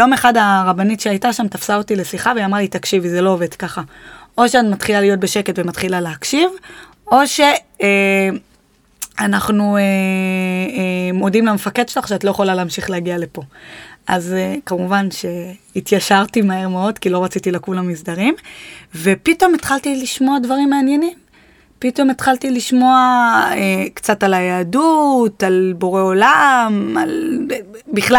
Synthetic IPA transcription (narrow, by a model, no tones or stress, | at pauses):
jo̞me̞χadaʁabanitʃeajtaʃamtafsaotile̞siχaveamʁalitakʃivizelo̞ove̞d̥kaχaʔo̞ʃeatmat̪χilalijo̞t̚be̞ʃe̞ke̞tvematχilaleɦakʃiv | o̞ʃe̞ | anaχnue | mo̞dimlamefakedʃelaχʃeatloje̞χolaleːmʃiχleaɡiale̞po̞ʔazekamuvanʃe̞it̪jaʃaʁtimae̞ʁmeo̞d̪kilo̞ʁat͡sitilakulamisdaʁimve̞pito̞me̞t̪χaltiliʃmo̞advaʁimːeːnjenim | pito̞met̪χaltiliʃmo̞aekt͡satalajaadutalbo̞ʁe̞o̞lama̰l | biχla